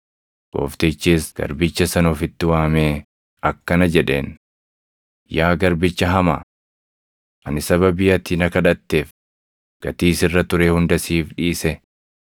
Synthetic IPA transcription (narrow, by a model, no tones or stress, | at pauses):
ɡ̥o̞̰ːft̪et͡ʃːeːsɡ̥ɐ̰ɾbɪt͡ʃːɐsɐnoːfɪt̪ːɪwaːmeː | ɐkːɐnɐd͡ʒɛᶑe̞̰ːn | jaːɡɐɾbɪt͡ʃːɐɦɐma̰ː | ʔɐnɪsɐβɐbɪjɐt̪ɪnɐkɐᶑɐt̪ːe̞ːf | ɡ̥ɐt̪iːsɪrːɐt̪ʊɾeːhʊnd̪ɐsiːfᶑiːsɛ